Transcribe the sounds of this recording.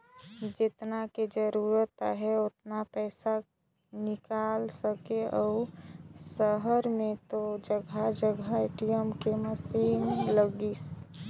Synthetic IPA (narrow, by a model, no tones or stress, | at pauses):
d͡ʒɪt̪naked͡ʒəɾuɾət̪a̰ɦɛot̪napɛːsa | nɪkalsəkeɔusəɦəɾmẽt̪od͡ʒəɡʱad͡ʒəɡʱaeɪʈijəmkeməsinləɡis